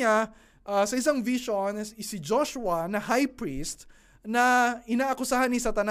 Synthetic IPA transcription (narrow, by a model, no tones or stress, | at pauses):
a | ʔasɐʔɪs̬aŋviʃonsɪd͡ʒoʃʊɐnɐhajpɹist̪̚ | nɐʔɪnaːʔɐkʊsahɐnisɐt̪ɐn